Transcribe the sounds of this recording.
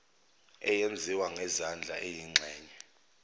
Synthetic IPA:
ɛjend͡zʱiwaŋɛzand͡ɮʱa̰ʔejiŋ͡ǁʱɛːɲɛ

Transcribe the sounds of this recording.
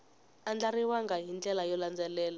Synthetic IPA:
and͡ɮariwaŋɡaɦind͡ɮɛlajɔland͡zɛlɛːla

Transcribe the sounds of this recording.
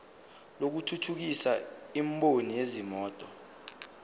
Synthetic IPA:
lok̬utʰutʰuk̬isaimɓʼonijezimɔːtʼɔ

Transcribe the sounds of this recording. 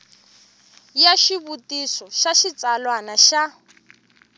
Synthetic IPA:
jaʃiβutisɔʃaʃit͡salwanaʃa

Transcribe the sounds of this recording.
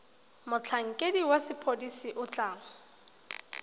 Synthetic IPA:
mʊt͡ɬʰaŋ̩kʼediwasɪpʰodisiʔʊt͡ɬʼaːŋɔ

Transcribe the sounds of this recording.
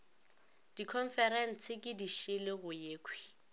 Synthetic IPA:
d̥ikʰɔn̩fɛɾɛn̩t͡sʰɪkʼɪdiʃɪlɪɣʊjeːkʰwi̥

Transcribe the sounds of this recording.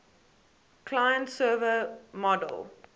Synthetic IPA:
kʰlajə̃ntsɜːvəmɔdə̰lˠ

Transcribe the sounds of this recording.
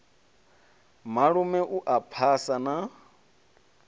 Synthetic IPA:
maɺumɛʔuʔapʰasana

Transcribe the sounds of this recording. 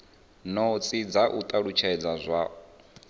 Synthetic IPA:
nɔt͡sʼid͡zaʔut̪ʼaɺut͡ʃʰɛd͡zazʷa

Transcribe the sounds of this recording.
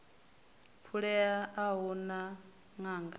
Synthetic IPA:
pʰuɺɛaaɦɔna | ŋaːŋɡa

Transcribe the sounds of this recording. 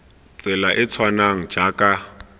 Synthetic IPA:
t͡sʼɛlaʔɪt͡sʰwanaŋ̩d͡ʒakʼa

